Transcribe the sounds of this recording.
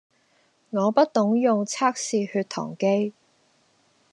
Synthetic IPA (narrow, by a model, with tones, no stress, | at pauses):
ŋɔː˨˧pɐ˥t̚t̪ʊ˨˥ŋjʊ˨ŋt͡sʰaː˥k̚siː˨hyː˧t̪ʰɔ̰ː˨˩ŋke˥j